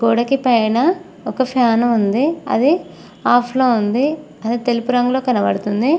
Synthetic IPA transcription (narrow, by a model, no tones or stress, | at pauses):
ɡoːɽɐkipɐjnɐ | ɔkɐpʰjaːnɐmund̪iɐ̰d̪i | aːpʰloːund̪i | ɐd̪it̪elipuɾɐŋɡuloːkɐnɐʋɐɽut̪und̪i